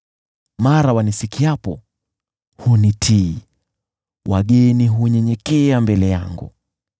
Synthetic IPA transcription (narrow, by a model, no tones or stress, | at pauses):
maɾawanisikiapɔ | hunitʰi | wʔaɠɛniɦuɲɛɲɛkɛambɛlɛja̰ŋɡṵ